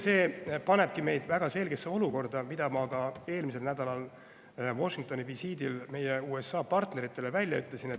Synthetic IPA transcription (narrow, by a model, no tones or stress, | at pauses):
se̞ːpɑne̞b̥̚kime̞jd̪̥væɡ̥ɑse̞lɡ̥e̞sːeo̞luko̞rd̪̥ɑmid̪̥ɑmɑkɑe̞ːlmis̬e̞lnæd̪̥ɑlɑl | vo̞ʃiŋk̚t̪o̞nivisiːd̪ilme̞jeuːe̞sːɑːpɑrt̪ne̞ɾit̪ːˑe̞le̞vælʲjɑyt̪ːˑlesinet̪ː